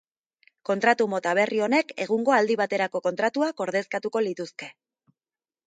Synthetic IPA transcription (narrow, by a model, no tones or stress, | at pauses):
ko̞nt̪ɾat̪umo̞t̪aβ̞e̞rio̞ne̞ke̞ɣ̞uŋɡo̞ald̪iβat̪e̞ɾako̞ko̞nt̪ɾat̪uako̞ɾðe̞skat̪uko̞lit̪uske̞